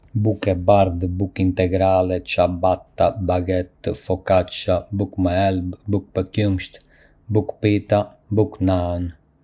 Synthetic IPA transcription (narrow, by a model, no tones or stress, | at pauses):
bukɛbaɾðbukint̪ɛɡɾalɛt͡ʃabat̪ːabaɡɛt̪ːfɔkat͡ʃabukmaɛlbbuk̚pəkjumʃt̪ | bukpit̪a | buknan